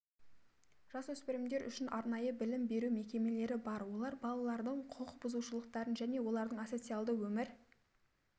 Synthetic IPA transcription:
ʒ̥ɑswɵspɪɾɪmd̪e̞ɾʏ̰ʃɪnʔɑɾnɑjəbɪlɪmbe̞ɾume̞kʲe̞me̞le̞ɾɪbɑɾwo̞lˠɑɾbɑlˠɑlˠɑɾd̪əɴqʰoqbʊzuʃəlˠəqt̪ɑɾənʒæne̞wo̞lˠɑɾd̪əɴaso̞t̪sɨjalˠd̪əwɵmɪɾ

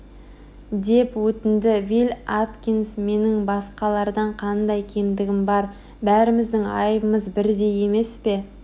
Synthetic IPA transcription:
d̪e̞pwɵt̪ɪnd̪ɪvilʲat̪kʲinsme̞nɪŋbɑsqɑlˠɑɾd̪ɑɴqʰɑnd̪ɑjkʲʰe̞md̪ɪɡʲɪmbɑɾ | bæɾɪmɪzd̪ɪŋɑ̰jbəməzbɪɾd̪e̞je̞me̞spe̞

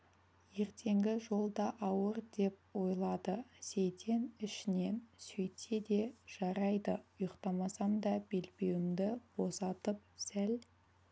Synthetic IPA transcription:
je̞ɾt̪ʰe̞ŋɡʲɪʒo̞lˠd̪ɑʔɑwəɾd̪e̞p̚wo̞jlˠɑd̪əsejt̪ʰe̞nɪʃɪne̞nsɵjt̪ʰed̪e̞ʒ̥ɑɾɑjd̪əʊjəqt̪ɑmɑsɑmd̪ɑbe̞lbe̞wɪmd̪ɪb̥o̞sɑt̪əp̚sæl

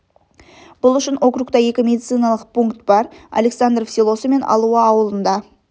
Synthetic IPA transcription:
b̥ʊlˠʏʃɪnʔo̞kɾukt̪ɑje̞kʲɪmʲe̞d̪it̪sɨjnɑlˠəq̚pʰuŋkt̪b̥ɑɾa̰le̞ksand̪ɾfsilˠo̞səme̞nɑ̰lˠuəɑwəlˠənd̪ɑ

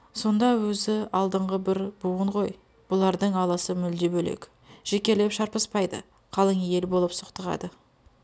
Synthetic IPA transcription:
so̞nd̪ɑwɵzɪɑlˠd̪əɴʁəbɪɾbuwəɴʁo̞j | b̥ʊlˠɑɾd̪əɴɑlˠɑsəmʏld̪ebɵlḛk | ʒ̥ekʲe̞ɾle̞pʃɑɾpəspɑjd̪ə̰ | qʰɑlˠəŋje̞lbo̞lˠəpsoqt̪əʁɑ̰d̪ə

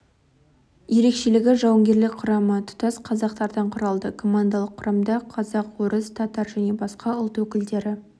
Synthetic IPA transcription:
je̞ɾe̞kʃe̞lɪɡʲɪʒɑwəŋɡʲe̞ɾlɪkʲqʰʊɾɑmət̪ʰʊ̥t̪ɑsqʰɑzɑqt̪ɑɾd̪ɑɴqʰʊɾɑlˠd̪əkʰo̞mand̪alˠəqʰːʊɾɑmd̪ɑqʰɑzɑqwoɾəst̪ʰɑt̪ɑɾʒæne̞bɑsqɑʊlˠt̪wɵkʲɪld̪e̞ɾɪ

